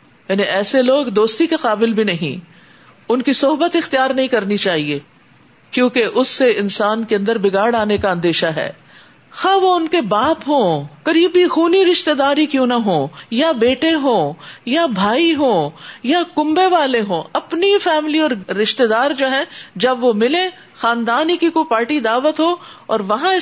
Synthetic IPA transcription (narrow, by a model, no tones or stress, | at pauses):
jaːniʔɛːseloːɡd̪oːst̪ikeqaːbɪlbʱinɐɦḭ̃ː | ʊnkisɔɦbət̪ɪxt̪ijaːɾnɐɦĩkɐɾnit͡ʃaːɦie | kjõːkeʔʊsːeɪnsaːnkeɐ̃nd̪əɾbɪɡaːɽaːnekaɐ̃nd̪eːʃaɦɛ̰ː | xaːʋoʊnkebaːpɦõːkɐɾiːbixuːniɾɪʃt̪ed̪aːɾikjõːnɐɦõːjabeːʈeɦõːjabʱaːiɦõːjakʊ̃mbeʋaːleɦõːɐpnifɛːmliɔːɾɾɪʃt̪ed̪aːɾd͡ʒoːɦɛ̃d͡ʒɐbʋomɪlẽ | xaːnd̪aːnikikopaːɾʈid̪aːʋət̪ɦoːɔːɾʋɐɦãɪ